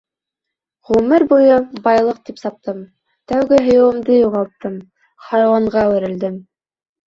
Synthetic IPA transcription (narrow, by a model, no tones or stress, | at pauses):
ʁumɘɾbujɤbɑjlˠɤq̚t̪ipsɑp̚t̪ɤm | t̪æwɡɘɦŏjɤ̆wɤ̆md̪ɤjuʁɑlˠt̪ːɤm | χɑɾɑwɑɴʁɑwɘ̆ɾɘ̆ld̪ɘm